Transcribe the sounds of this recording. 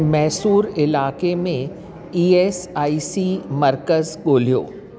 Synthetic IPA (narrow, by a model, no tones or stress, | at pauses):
mɛːsuːɾɪlaːkemẽ | iːeːsaːisimɐɾkəzɡoːlijo̰ː